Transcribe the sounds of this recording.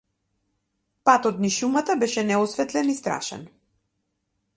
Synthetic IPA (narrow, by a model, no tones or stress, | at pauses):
pat̪ɔt̪niʃumat̪abɛʃɛnɛɔsvɛt̪lɛnist̪ɾa̰ʃɛ̰n